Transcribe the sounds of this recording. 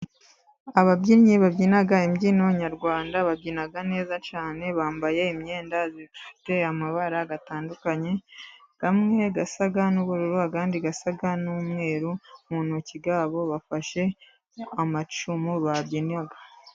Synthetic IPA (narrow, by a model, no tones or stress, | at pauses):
aβabɟiɾɲiβabɟiːnaɡaimɟinoɲaɾɡwaːndaβabɟiːnaɡane̞ːzat͡ʃaːne̞βaːmbaje̞imɲe̞ːndazifi̥te̞amaβaɾaɡataːndukaɲe̞ɡ̥amŋe̞ɡasaɡanuβuɾuɾuakaːndiɡasaɡanuːmŋe̞ːɾumunociɡaːβo̞βafaʃe̞ | amat͡ʃumuβabɟiːnaɡḁ